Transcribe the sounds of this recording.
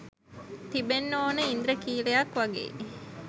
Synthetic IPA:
t̪ibenːoːnəind̪ɾəkiːlejakʋaɡḛː

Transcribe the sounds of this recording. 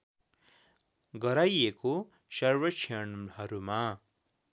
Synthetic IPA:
ɡʌɾajeko | sʌrwʌtt͡ʃʰeɳhʌɾuma

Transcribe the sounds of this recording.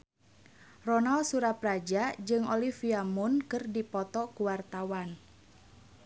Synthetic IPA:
rɔnalsuɾaprad͡ʒad͡ʒɨŋɔlifiamunkɨrdipɔt̪ɔkuwart̪awan

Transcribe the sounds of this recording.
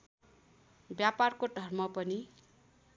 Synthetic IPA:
bjaparkoɖʱʌrmʌpʌni

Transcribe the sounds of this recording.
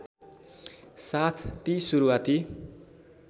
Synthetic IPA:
sat̪ʰt̪isuɾuwat̪i

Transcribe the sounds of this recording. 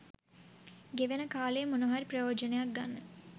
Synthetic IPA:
ɡeʋenəkaːlejːmunuɦaɾiprɐjoːd͡ʒənejak̚ɡanːə

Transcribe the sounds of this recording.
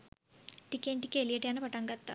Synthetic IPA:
ʈikːeːɳʈikʲːelijɐʈijaːnɨpɐʈɐŋɡɐt̪ːɐ̰

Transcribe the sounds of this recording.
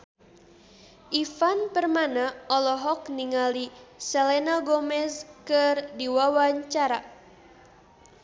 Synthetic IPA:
ʔifanpərmanaɔlɔɦɔkniŋalisɛlenaɡɔmɛskɨrdiwawaɲt͡ʃaɾa

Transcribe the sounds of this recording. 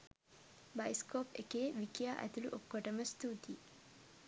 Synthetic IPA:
bajskoːpekeːʋikijaːʔæ̰t̪uluʔokːoʈəməst̪uːt̪i

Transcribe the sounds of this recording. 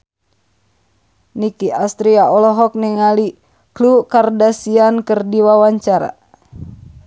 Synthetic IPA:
nikiʔast̪ɾiaɔlɔɦɔk̚niŋali | klukardasiankɨrdiwawaɲt͡ʃaɾa̰

